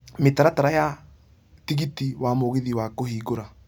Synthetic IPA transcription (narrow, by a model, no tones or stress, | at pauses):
metaɾataɾaja | tiɣitiwamoɣeðiwakohiːɡoɾa